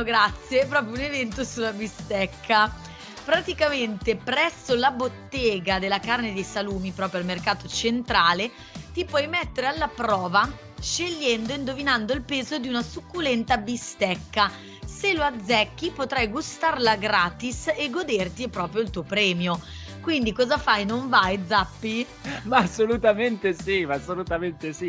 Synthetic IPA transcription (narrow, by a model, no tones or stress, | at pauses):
ɡɾat̪sːjepɾɔːpɾjounevɛnt̪osulːabist̪ɛkʰːa | pɾat̪ikament̪epɾɛsːolabot̪ːɛːɡad̪elːakarned̪ejsaluːmipɾɔːpɾjoalmerkaːt̪ot͡ʃent̪ɾaːle | t̪ipwɔjmɛt̪ːeɾealːapɾɔːva | ʃeʎːɛnd̪oind̪ovinand̪oilpeːzod̪iunasukːulɛnt̪abist̪ɛkːa | seload̪zːɛkːipot̪ɾajɡust̪arlaɡɾaːt̪iseɡːod̪ert̪ipɾɔːpɾjoilt̪uːopɾɛːmjo | kwind̪ikɔːzafajnoɱvajd̪zapːi | mːsːolut̪ament̪esiasːolut̪ament̪esi